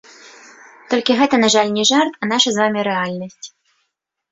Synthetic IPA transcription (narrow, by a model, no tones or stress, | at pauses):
t̪ɔlʲkʲɪɣɛt̪ɐnaʐalʲnʲɛʐart̪ɐnaʂɐzvamʲiɾɛalʲnɐsʲtʲ